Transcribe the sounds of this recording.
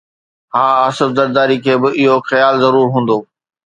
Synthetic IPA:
ɦaːəsəɾzɐɾd̪aːɾikʰeːbɪɪɦoxɐjaːlzɐɾuːɾɦũːn̆d̪oː

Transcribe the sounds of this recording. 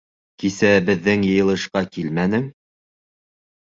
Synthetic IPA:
kisæbɘ̆ðːɘŋjɤ̆jɤ̆lˠɤ̆ʃqɑkilmænɘ̆ŋ

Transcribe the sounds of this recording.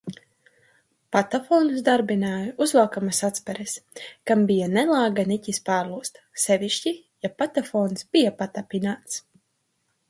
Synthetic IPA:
pat̪afɔːnusd̪aɾbinaːjuuzvaːkamasat̪spɛɾɛskambijanɛlˠaːɡanicʲispaːɾlˠuːst̪ | sɛviʃci | japat̪afɔːnsb̥ijapat̪apʲinaːt̪s

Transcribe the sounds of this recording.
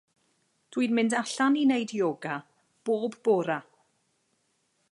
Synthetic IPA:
d̥wiːnmɪndaɬaninejdjoːɡa | b̥oːbboːɾa

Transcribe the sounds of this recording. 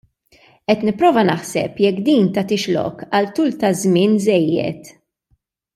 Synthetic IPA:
ʔɛt̪nɪpːɾɔːvɐnɐħsɛ̰pjɛkːd̪iːnt̪ɐt̪ɪʃlɔ̰kɐlt̪uːlt̪ɐzmɪːnzɛjːɛ̰t̪

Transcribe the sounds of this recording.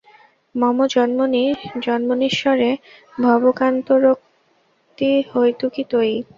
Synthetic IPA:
mɔmod͡ʑɔnmonid͡ʑɔnmoniʃɔɾe | bʱɔbokant̪oɾok̚ | t̪ihojt̪ukit̪oj

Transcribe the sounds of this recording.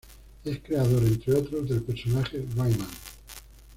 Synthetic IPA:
e̞skɾe̞aðoɾent̪ɾeot̪ɾozðe̞lpeɾsonaχeβajmãn

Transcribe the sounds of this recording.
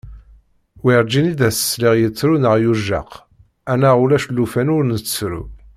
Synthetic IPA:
wiɾˤd͡ʒinid̪æsə̥sliʁjət͡sːɾunəʁjuʒɑ̰q | ænaʁulæʃlːufænʊɾnət͡sːsɾṵ

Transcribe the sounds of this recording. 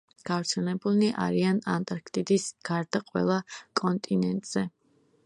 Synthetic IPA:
ɡ̥avɾt̪sʰɛnɛbuniʔa̰ɾianant̪ʼaɾkʰt̪ʼid̪isɡ̥aɾd̪aqʼwɛ̰lˠakʼɔnt̪ʼinɛnt̪ʼz̥ɛ

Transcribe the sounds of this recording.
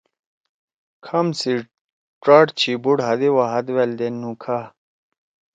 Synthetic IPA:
kʰɐmsi | ʈɾaːʈt͡ɕʰibuɽɦɐd̪iwaɦɐd̪weld̪enːũkʰa

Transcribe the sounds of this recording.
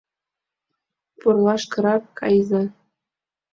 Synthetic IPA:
purlˠɑʃkɤ̆ɾɑkkɑjzɑ

